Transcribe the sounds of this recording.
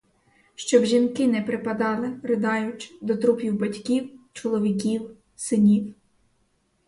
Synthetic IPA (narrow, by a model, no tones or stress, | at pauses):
ʃt͡ʃɔbʒʲinkɪnɛpɾɪpɐd̪ɑlˠɪrɪd̪ɑjʊt͡ʃd̪ɔt̪ɾupʲjiwbɐtʲkʲiwt͡ʃɔlˠɔʋʲik̬ʲiw | sɪnʲiw